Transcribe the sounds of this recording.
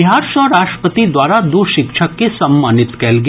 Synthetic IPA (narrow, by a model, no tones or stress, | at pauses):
ɪɦaːɾʃɔɾaːʃʈə̥pət̪id̪waːɾad̪oʃɪkʃʰəkːesɐmːaːnɪt̪kɛːlɡ